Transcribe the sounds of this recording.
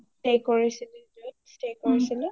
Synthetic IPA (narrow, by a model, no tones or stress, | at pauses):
stekɔɹisilɛdojstekɔɹisilɛ